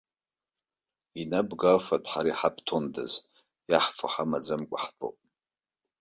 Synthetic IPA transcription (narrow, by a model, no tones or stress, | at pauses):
inabɡalfatʼħaɾajħapʰtʰonda̰z | jaħfʰaħamad͡zamkʷʼaħtʼo̰pʼ